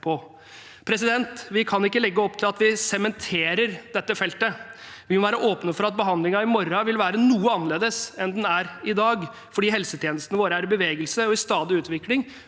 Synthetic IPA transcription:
pʰɔ | pʰɾɛs̬ɪd̪ɛnt̪ʋɪkʰɑnɪkːəlɛɡːəɔpːt̪ʰɪlɑt̪ʋɪsɛmɛnt̪ʰeːɾəɾd̪ɛt̪ːəfɛlt̪ə | ʋɪmɔʋæːɾəʔoːpnəfɔɾɑt̪̚bəɦɑnd̪lɪŋɑɪmɔɾɑʋɪlʋæːɾənuːəɑnɑleːd̪əsɛnd̪ɛnæɾɪd̪ɑːɡ | fɔɖiːɦɛlsət̪ʰjeːnəst̪ənəʋoːɾəæɾɪbəʋeːɡəlsəɔɪst̪ɑːd̪ɪʉːt̪ʋɪklɪŋ

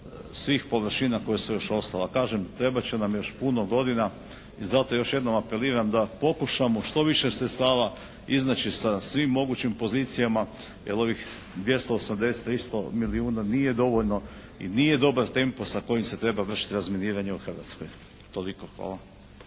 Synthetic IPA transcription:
sʋiːxpo̞ʋr̩ʃinako̞jesejo̞ʃo̞st̪alakaːʒemt̪ɾe̞bat͡ɕenamjo̞ʃpunoɡo̞d̪ina | izat̪o̞jo̞ʃje̞d̪no̞mape̞liːɾamd̪apo̞kuʃamo̞ʃt̪o̞ʋiʃesɾet̪st̪aːʋa | iznat͡ɕisasʋimːo̞ɡut͡ɕimpo̞ziːt̪sijama | jelo̞ʋix | d̪ʋje̞st̪oosamd̪e̞se̥t̪ːɾist̪o̞miliuːnanije̞d̪o̞ʋoʎno̞ | ḭnije̞d̪o̞baɾt̪e̞mposako̞jimse̞t̪ɾe̞baʋr̩ʃi̥t̪iɾazminiːɾaɲeuxrʋa̰t̪sko̰j | t̪o̞likoxa̰ːlˠa

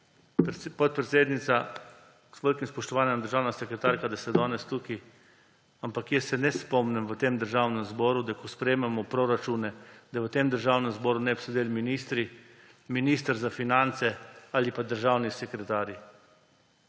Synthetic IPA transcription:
pɔt̪̚pɾɛt̪seːd̪nit̪sa | sʋəlʲkimspɔʃt̪ɔʋaːnjɛmd̪əɾʒaːwnasɛkɾɛt̪aːɾkad̪asɛd̪ɔːnɛst̪uki | ampakjɛsːɛnɛspɔmnɛmʋət̪eːmd̪əɾʒaːwnɛmzbɔːɾud̪akɔspɾɛjmɛmɔpɾɔɾat͡ʃuːnɛd̪aʋət̪eːmd̪əɾʒawnɛmzbɔːɾunɛpsɔd̪eːlminist̪ɾi | miniːst̪əɾzafinant̪sɛalipad̪əɾʒaːwnisɛkɾɛt̪aːɾji

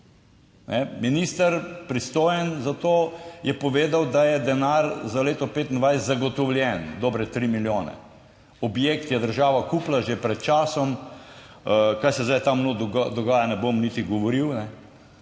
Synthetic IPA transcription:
nʔɛminist̪əɾpɾist̪oːjənzat̪oːjɛpɔʋeːd̪awd̪ajɛd̪ɛnaɾzaleːt̪ɔpeːt̪ind̪ʋajszaɡɔt̪ɔwlʲjɛnd̪ɔːbɾɛt̪ɾiːmiljoːnɛ̰ | ɔbjeːkt̪jɛd̪əɾʒaːʋakuːplaʒepɾɛt̪̚t͡ʃaːsɔm | kajsɛzajt̪amnod̪ɔɡaːjanɛbomnit̪iɡɔʋɔɾiwnɛ

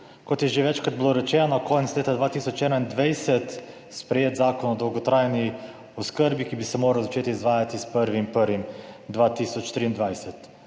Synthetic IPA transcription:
kot̪jɛʒɛvɛt͡ʃkad̪̚blˠoɾɛt͡ʃɛnanakɔjnt̪slɛt̪ad̪vat̪isot͡ʃɛd̪aind̪vɛjsɛt̪ | spɾɛjet̪zakonɔd̪ɔlɡot̪ɾajni | oskəɾbikibisɛmoɾalˠzɐt͡ʃet̪iizvajat̪ispəɾvimpəɾvimd̪vat̪isɔt͡ʃt̪ɾiːnd̪vajsɛt̪

